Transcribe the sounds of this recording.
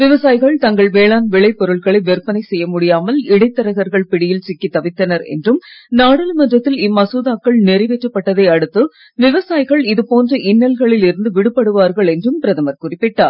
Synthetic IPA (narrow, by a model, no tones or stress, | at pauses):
ʋɪʋɐsaːjɣɐɭt̪ɐŋɡɐɭʋeːɭaːnʋɪɭɐɪpːɔɾɯɭɣɐɭɐɪʋɛɾpːɐnɐɪsɛjːɐmʊɽɪjaːmɐlɪɽɐɪt̪ːɐɾɐɣɐɾɣɐɭpɪɽɪjɪlt͡ʃɪkːit̪ːɐʋɪt̪ːɐnɐɾɛ̰ndrɯmnaːɽɐlmɐndrɐt̪ːɪlɪmːɐsuːðaːkːɐɭnɛɾɐɪʋɛʈrɐpːɐʈːɐðɐɪɐɽɯt̪ːɯ | ʋɪʋɐsaːjɣɐɭɪðɯpoːndrɐʔɪnːɐlɣɐɭɪlɪɾɯnd̪ɯʋɪɽɯpːɐɽɯʋaːɾɣɐɭɛndrɯmpɪɾɐðɐmɐɾkʊrɪpːɪʈːaːɾ